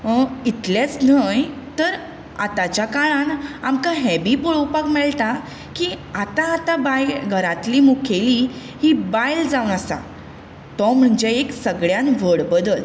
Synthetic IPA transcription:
əit̪ljat͡snəj | t̪əɾ | at̪at͡ɕjakaɭãnamkaɦɛbipoɭowpakmɛɭt̪a | kiat̪ãːt̪abajɡʱəɾat̪liːmukʰeli | hibajld͡zawnəsa̰ | t̪ɔm̤əɳd͡ʑeeksəɡɭjãnʋəɽbəd̪əl

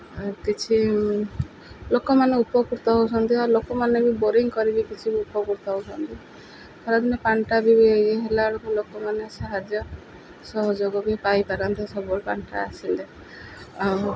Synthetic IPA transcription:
kit͡ʃʰi | lokɔmaneupɔkuɾt̪ɔɦowt͡ʃʰɔnt̪iaɾlokɔmanebiboɾiŋkɔɾibikit͡ʃʰibiupɔkuɾt̪ɔɦowt͡ʃʰɔnt̪i | pʰɔɾad̪inepaɳʈabibiejeɦelaɭɔkulokɔmanesaɦad͡ʒjɔ | sɔɦɔd͡ʒoɡɔbipajpaɾant̪esɔbɔɭpaɳʈa̰asile | aw

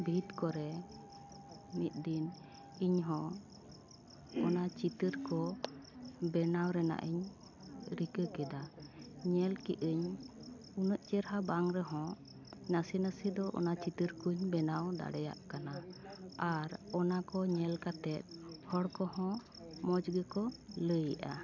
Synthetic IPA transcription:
bʱit̪kɔɾɛ | mit̪̚d̪in | iɲɦɔ̃ | ɔnat͡ʃit̪əɾkɔ | bɛnawɾɛna̰ʔəɲ | ɾikəkɛd̪aɲɛlkiʔəɲ | unəʔt͡ʃɛɾɦabaŋɾɛɦɔ̃ | nasinasid̪ɔʔɔ̰nat͡ʃit̪əɾkuɲbɛnawd̪a̰ɽɛja̰ʔkanaaɾɔnakɔɲɛlkat̪ɛt̪̚hɔɽkɔhɔ̃ | mɔd͡ʒɡəkɔləjʔa̰

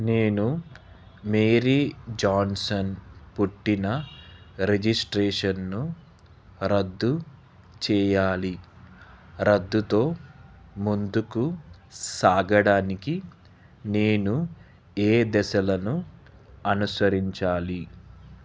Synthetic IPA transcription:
neːnu | meːɾiːd͡ʒaːnsɐnpuʈːinɐ | ɾed͡ʒisʈɾɛːʂɐnːu | ɾɐd̪ːu | t͡ʃɛːjaːli | ɾɐd̪ːut̪o̞ː | mund̪ukusaːɡɐɽaːniki | ne̞ːnu | eːd̪ɛsɐlɐnu | ɐnusɐɾiɲt͡ʃaːli

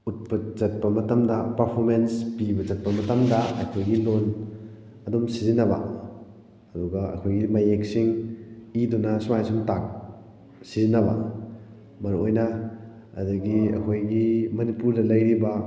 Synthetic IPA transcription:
ut̚pɐt͡ʃɐt̚pɐmɐtamdɐpɐɾpʰoɾmenspibɐzɐt̚pɐmɐtɐmdɐɐkʰojɡilon | ɐdumsizinɐbɐ̰ | ɐduɡaɐ̰kʰojɡimajeksiŋidɔnɐsumajsumtak̚ | sizinɐba̰ | mɐnuojnɐ | ɐ̰daɡiɐ̰kʰojɡimɐnipuɾdɐlɐjɾiba

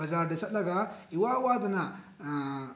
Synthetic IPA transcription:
ɐzaːɾɖɐsɐt̪lɐɡaiwawaːd̪na

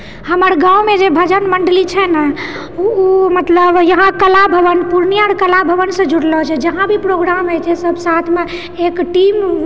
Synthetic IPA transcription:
həməɾɡãumed͡ʒebʱəd͡ʒənməɳɖlit͡ʃʰɛnə | mət̪ləbjəɦãkəlabʱəʋənpuɾnijaɾkəlabʱəʋənsə̃d͡ʒʱuɽlɔt͡ʃʰɛd͡ʒəɦãbʱipɾoɡɾamɦət͡ʃʰɛsəbʱsat̪ʰme | ekʈim

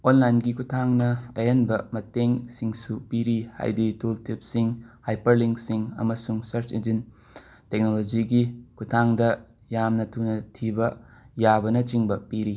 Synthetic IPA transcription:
onlajnɡikutʰaŋnɐɐjɐnbɐmɐteŋsiŋsupiɾiha̰jditultip̚siŋhajpɐɾliŋksiŋɐ̰mɐsuŋsɐɾt͡ʃend͡ʒin | tek̚nolod͡ʒiɡikutʰaŋdɐ | jamnɐtʰunɐtʰibɐjabɐnɐt͡ʃiŋbɐpiɾi

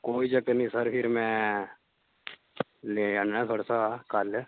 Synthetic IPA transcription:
koːid͡ʒəɡənĩsəɾpʰɪɾmẽ | leːəɳːẽt̪ʰoːɽasakaːl

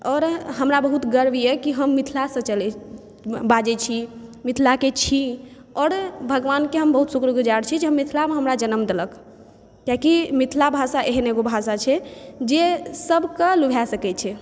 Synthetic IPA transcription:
ɔːɾɦəmɾabəɦut̪ɡəɾbjɛkiɦəmːit̪ʰlasə̃t͡ʃəlɛ | bad͡ʒɛt͡ʃʰimit̪ʰlaket͡ʃʰi | ɔːɾbʱəɡʋankeɦəmbəɦut̪sukɾəɡud͡ʒaɾt͡ʃʰɛd͡ʒeɦəmːit̪ʰlameɦəmɾad͡ʒənəmd̪ələk | kjakimit̪ʰlabʱasaʔeɦneɡobʱasat͡ʃʰɛd͡ʒesəbkəlubʱasəkɛt͡ʃʰɛ

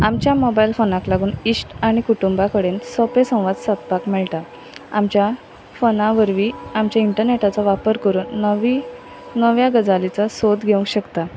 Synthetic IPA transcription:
amt͡ɕjamɔbailfonãklaɡuːnisʈaɽ̃ikuʈumbakəɽensɔpesə̃w̃ʋad̪sat̪̚pakmɛɭʈa | a̰mt͡ɕja | fonãʋəɾʋiːamt͡ɕjaiɳʈəɾneʈat͡saʋapəɾkəɾuːnːʋi | nəʋjaɡəd͡zalit͡sasod̪ɡʱeũŋɡɕəkt̪a

